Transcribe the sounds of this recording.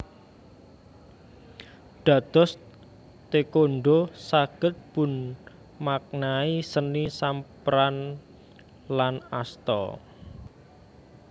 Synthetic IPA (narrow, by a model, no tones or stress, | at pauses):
ɖ̥ä̤d̪̥ɔ̤s | t̪ekoɳɖosaɡ̥ə̤t̪̚b̥ʊ̤n | mak̚naisənisampɾan | lanast̪ɔ̰